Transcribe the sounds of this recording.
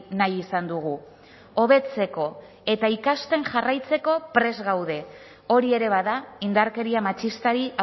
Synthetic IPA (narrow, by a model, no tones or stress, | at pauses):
najisand̪uɣ̞u | o̞βe̞t͡se̞ko̞ | e̞t̪aikast̪e̞nʝarajt͡se̞ko̞pɾe̞zɣawðe̞ | o̞ɾie̞ɾe̞βaðaind̪aɾke̞ɾiamat͡ʃist̪aɾia